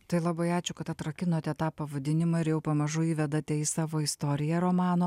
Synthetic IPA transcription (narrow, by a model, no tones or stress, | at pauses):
t̪ɐɪlˠɐbɐɪɑːt͡ʃʲʊkɐt̪ɐt̪ɾɐkʲɪnoːt̪ʲɛt̪ɑːpɐʋɐd̪ʲɪnʲɪmɐɪɾjɛʊpɐmɐʒʊiːʋʲɛd̪ɐt̪ʲɛisɑːʋoːɪst̪oːɾʲɪjɛɾoːmɑːnoː